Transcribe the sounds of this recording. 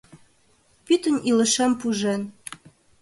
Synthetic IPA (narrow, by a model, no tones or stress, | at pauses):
pyt̪ə̆nilə̆ʃempuʒen